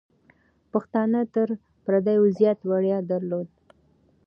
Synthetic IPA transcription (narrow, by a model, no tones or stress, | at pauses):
paxt̪ɑnət̪əɾ | pɾad̪ajʊzjɑt̪waɽjɑd̪aɾlod̪̚